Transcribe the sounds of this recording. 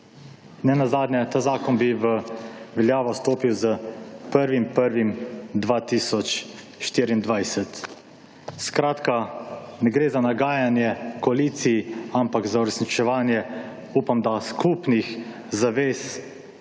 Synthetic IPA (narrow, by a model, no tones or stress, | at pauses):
nɛnazaːd̪nʲjɛt̪aːzaːkɔnbiʋəʋɛljaːʋɔst̪oːpiwzəpəɾʋimpəɾʋimd̪ʋaːt̪iːsɔt͡ʃ | ʃt̪iːɾiind̪ʋajsɛt̪ | skɾaːt̪kanɛɡɾeːzanaɡaːjanjɛkɔaliːt̪sijiampakzauɾɛsnit͡ʃɛʋaːnjɛ | uːpamd̪askʰupnix | zaʋeːs